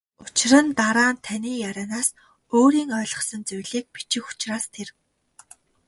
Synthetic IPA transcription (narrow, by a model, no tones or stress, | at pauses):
ʊt͡ɕ̆rə̆nt̪aɾaːnt̪ʰaniːjaɾʲaːnaːs | oːɾiːŋœːɮʁɞ̆χsə̆nt͡sujɮiːk̚pi̥t͡ɕɪ̆xʊ̥t͡ɕraːst̪ʰer